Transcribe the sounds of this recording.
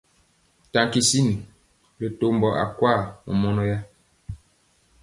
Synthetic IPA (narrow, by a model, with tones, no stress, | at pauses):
ta˨ŋki˨si˦ni˨ | le˨to˦mbɔ˨ʔa̰˨kwa˦˨mɔ̰˨mɔ˦nɔ˦ja˦